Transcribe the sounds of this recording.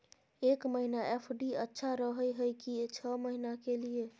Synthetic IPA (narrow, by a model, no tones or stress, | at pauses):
ekməɦinaʔepʰɖiətːʃʰaɾəɦəjɦəjkit͡ʃʰəməɦinakelie